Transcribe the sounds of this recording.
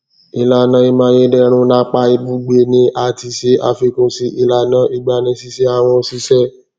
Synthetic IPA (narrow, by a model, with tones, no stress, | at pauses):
i˨la˨nã˧˦i˧mã˧˦je˦dɛ˦˧ñũ˦nã˦k͡pa˧˦i˧bu˦ɡ͡be˧nĩ˦ʔa˨˧ti˧se˦ʔa̰˧fi˧kũ˧si˦ʔi˧la˨nã˦ʔi˦ɡ͡ba˧nĩ˧˦si˧˦sɛ˦a˧˨w̃ɔ̃˧si˦sɛ˦